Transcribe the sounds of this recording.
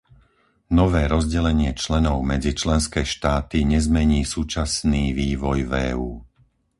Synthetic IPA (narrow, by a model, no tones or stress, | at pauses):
nɔʋɛːɾɔzɟɛlɛɲɪɛt͡ʃlɛnɔʊmɛd͡zit͡ʃlɛnskɛːʃt̪aːt̪iɲɛzmɛɲiːsuːt͡ʃasniːʋiːʋɔjvɛːuː